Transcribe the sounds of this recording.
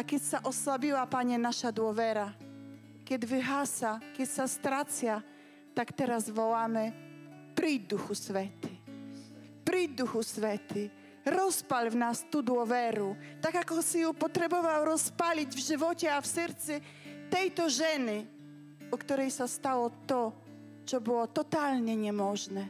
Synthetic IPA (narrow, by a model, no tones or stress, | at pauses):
akʲjɛtsaʔɔswabʲiwapaɲɛnaʃad̪wɔvɛɾa | kʲjɛd̪vɪɦasakʲjɛtsast̪ɾat͡sja | t̪akt̪ɛɾazvɔwamɛ | pɾid̪uxusvɛt̪ɪ | pɾid̪uxusvɛt̪ɪ | ɾɔspalvnast̪ud̪wɔvɛɾut̪akakɔsɪjupɔt̪ɾɛbɔvawɾɔspalʲid͡ʑvʐɨvɔt͡ɕɛafsɛɾt̪sɛ | t̪ɛjt̪ɔʐɛnɪ | ɔkt̪uɾɛjsast̪awɔt̪ɔ | t͡sɔbɔwɔt̪ɔt̪alɲɛɲɛmɔʒnɛ